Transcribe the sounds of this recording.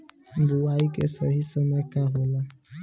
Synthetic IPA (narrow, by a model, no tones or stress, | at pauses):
m̩bʊwaikḛsɔɦisɔmekaɦʊla